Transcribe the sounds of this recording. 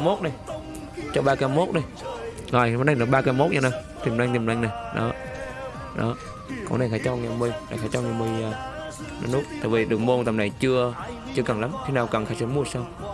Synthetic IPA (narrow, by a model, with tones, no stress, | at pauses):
mo˦˥t̚nə˨˧˩j | t͡ɕɔ˧ɓaː˧kaː˧mo˦˥t̚nə˧j | ŋaː˨˩jma˨˦ɗa˧˩ŋɗɨ˨˩ɓːkaː˧mo˦˥t̚ɲa˧na˨˩ | t̪i˨˩mla˧ŋt̪i˨˩˨nɗa˧ŋ̟na˨˩jɗɔ̰˨˦ | ɗɔ̰˨˦ | kɔ̰˨˧˦na˨˩xaː˨˧˦jt͡ɕɔ˧ŋa˨˩mɨ˧˩˨jna˨˩xaː˧˦jt͡ɕɔ˧ŋaː˨˩mɨ˧˩j | na˨˧˦nu˦˥t̚t̪ə̰ː˨˩vi˨˩ɗɨ˨ək̚mo˧nt̪ə˨˩mna˨˩jt͡ɕɨ˧ə | t͡ɕɨ˧əkə˨˩ŋla˨˦mxi˧˦naː˨˩wka˨˩ŋxaː˧˩jsi˧˦mu˧ə˩saː˧w